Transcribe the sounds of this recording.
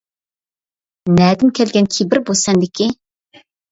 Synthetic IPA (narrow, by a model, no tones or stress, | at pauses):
nɛd̪ɪnkʲʰɛlɡʲɛnkʲʰibɪɾbosɛnd̪ɪkʲʰi